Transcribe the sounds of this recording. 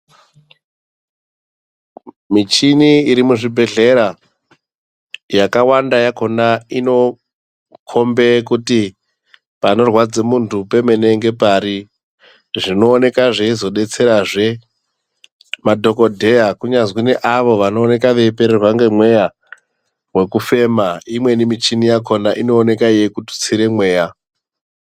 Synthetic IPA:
mit͡ʃiniːɾimuʐibʱe̞ɮe̞ɾa | jakawandajako̞naino̞ | kʰo̞mbe̞kuti | pano̞rwad͡zemuntupe̞me̞ne̞ŋɡe̞paɾi | ʐino̞ːne̞kaʐeizo̞ɗe̞t͡se̞ɾaʐe̞ | madʱo̞ko̞dʱe̞jakuɲazwineʔaʋo̞ʋano̞ːne̞kaʋe̞pe̞ɾerwaŋɡe̞mwe̞ja | we̞kufe̞maimwe̞nimit͡ʃinijakʰo̞naʔino̞ːne̞kaijekutu̥t͡siɾe̞mwe̞ːja

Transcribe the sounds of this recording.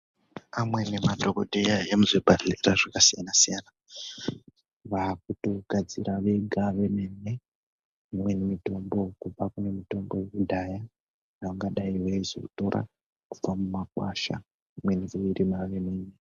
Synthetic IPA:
amwe̞nematokodʱejajemuzebʱaɮeraʐakasijanasijana | ʋakutoɡʱad͡ziɾaʋe̞ɡʱaʋemene | imwe̞nimito̞mbo̞kub͡vakune̞mito̞mbo̞kudʱaja | jaŋɡaɗaiweizo̰ku̥to̞ɾʔa̰ | ku̥b͡vamumakwaʃa̰ | imwenizeiɾimaʋemeːne

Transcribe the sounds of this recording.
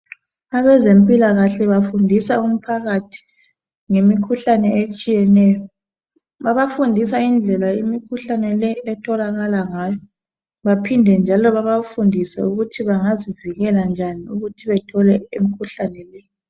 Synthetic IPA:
aβɛzempʼilaɣaɬɛβafundʱisaum̩pʰaɣatʰi̥ | ŋemikʰuɬanɛet͡ʃʼijɛnɛːjɔ | βaβafundʱisaind͡ɮʱɛlaimikʰuɬanɛlɛɛtʰɔlaɣalaŋajɔ | βapʰindʱɛnd͡ʒʱalɔβaβafundʱisɛ̰uɣutʰiβaŋaziviɣɛland͡ʒʱaniuɣutʰiβɛtʰɔlɛemikʰuɬanɛlɛ

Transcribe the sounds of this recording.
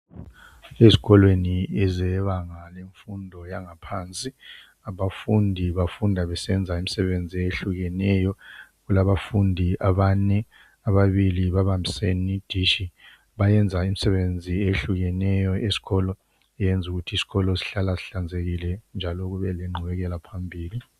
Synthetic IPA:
eziɣɔlweniɛzɛβaŋaleɱfundʱɔjaŋapʰaːnt͡sʼi | aβafundʱiβafundʱaβɛsɛnd͡zʱaimisɛβend͡zʱieɬuɣɛnɛjɔɣulaβafundʱiʔaβanɛ | aβaβiliβaβambʱisenid̥ʱiːʃi | βajɛnd͡zʱaimisɛβend͡zʱieɬuɣɛnɛjɔesi̥ɣɔːlɔ | ɛjɛnd͡zʱuɣutʰiːsi̥ɣɔlɔsi̥ɬalasiɬand͡zʱeɣilɛnd͡ʒʱalɔɣuβɛlɛŋ͡ǃʱuβɛɣɛlapʰambʱiːli

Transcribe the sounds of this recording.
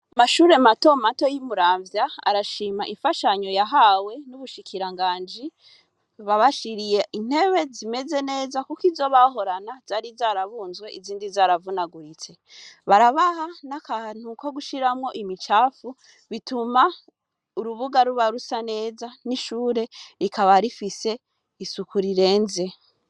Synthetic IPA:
amaʃuːɾe̞mato̞mato̞jimuɾaːɱvjaa̰ɾaʃiːmaʔifaʃaɲo̞jaɦawe̞nuβuʃikʰiɾaŋɡaːnd͡ʒi | βaβaʃiɾijeʔin̥he̞βe̞zime̞ze̞ne̞ːzakukizo̞βaɦo̞ɾanazaːɾizaːɾaβuːnzwe̞ʔiziːndizaːɾavunaɡuɾit͡se̞ | βaɾaβahanakan̥uko̞ɡuʃiɾamŋo̞ʔimit͡ʃaːfu | βituma | uɾuβuɡaɾuβaɾusane̞ːzaniʃuːɾe̞ɾikʰaβaɾifise̞ | isukuɾiɾe̞ːnze̞

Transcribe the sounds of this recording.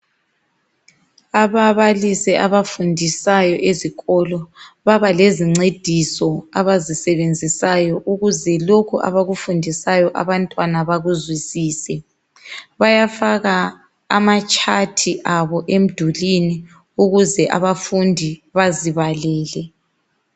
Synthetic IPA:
aβaβalisɛʔaβafundʱisajɔʔeziɣɔlɔβaβaleziŋ͡ǀed̥ʱisɔaβazisɛβend͡zʱisajɔʔuɣuzɛlokʰuʔa̰βaɣufundʱisajɔʔa̰βantʼwanaβaɣuzwisiːsɛ | βajafaɣaː | mat͡ʃʼʰatʰiʔaβɔʔem̩d̥ʱulini | uɣuzɛʔa̰βafundʱiβaziβalɛːlɛ

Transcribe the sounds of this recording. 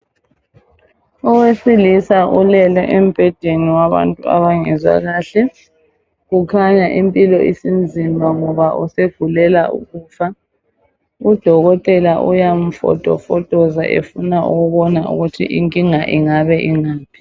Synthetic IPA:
ɔwesilisaʔulɛlɔ̰ʔem̩b̥ʱɛd̥ʱeniwaβa̰ntʼua̰βaŋɛzwa̰ɣaːɬɛ | ɣukʰaɲaʔimpʼilɔʔisind͡zʱimaŋɔβaʔṵseɡ̥ʱulɛlaʔṵɣuːfa | ud̥ʱɔɣɔtʼɛlaʔṵjam̩fɔ̰tʼɔ̰fɔtʼɔza̰ʔḛfunaʔuɣuβɔnaʔṵɣutʰḭʔiŋkʼiŋaʔiŋaβɛʔiŋaːpʰi̥

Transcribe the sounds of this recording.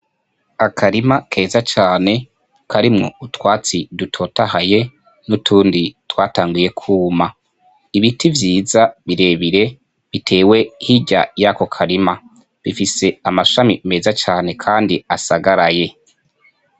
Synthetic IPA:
akʰaɾimakʰe̞ːzat͡ʃaːne̞ | kʰaɾimŋo̞̰utwaːt͡sidutʰo̞tahaje̞ | nutʰuːnditwaːtaːŋɡuje̞kʰuːma | iβitivjiːzaβiɾe̞ːβiɾe̞ | βitʰe̞ːwe̞hiɟa̰jako̞kʰaɾima | βifise̞amaʃamime̞ːzat͡ʃaːne̞kʰaːndiasaɡaɾaje̞

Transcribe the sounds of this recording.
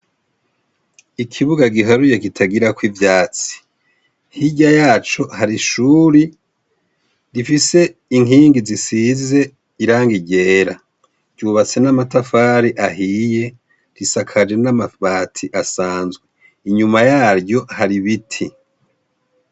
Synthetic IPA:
ikʰiβuɡaɡiɦaɾuje̞kitʰaɡiɾakwivjaːt͡si̥ | hiɟajaːt͡ʃo̞haɾiʃuːɾi | ɾifise̞iŋiːŋɡizisize̞ | iɾaːŋɡiɟe̞ːɾa | ɟ̥uβat͡se̞namatafaːɾiʔaɦije̞ | ɾisakʰad͡ʒe̞namaβaːtʰiʔasaːnzɡwe | iɲumajaːɾɟo̞haɾiβitʰi

